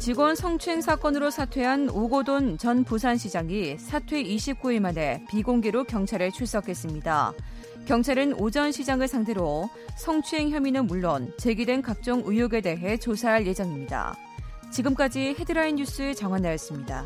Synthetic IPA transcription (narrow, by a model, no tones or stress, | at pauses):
t͡ɕiɡwʌnsʰʌŋt͡ɕʰue̞ŋsʰak͈ʌnɯɾosʰatʰwe̞ɦanoɡodont͡ɕʌnpusʰanɕʰid͡ʑaŋisʰatʰwe̞iɕʰip̚k͈uiɭmane̞piɡoŋɡeɾokjʌŋt͡ɕʰaɾɯɭt͡ɕʰuɭs͈ʌkʰe̞s͈ɯmɲida̰ | kjʌŋt͡ɕʰaɾɯnod͡ʑʌnɕʰid͡ʑaŋɯɭsʰaŋtʰe̞ɾo | sʰʌŋt͡ɕʰue̞ŋçjʌminɯnmuɭːont͡ɕe̞ɡidwe̞nkak̚t͡ɕ͈ʌŋujoɡe̞de̞ɦe̞t͡ɕosʰaɦaɭje̞d͡ʑʌŋimɲida̰ | t͡ɕiɡɯmk͈ad͡ʑihe̞dɯɾainjus͈ɯet͡ɕʌŋwanajʌs͈ɯmɲida̰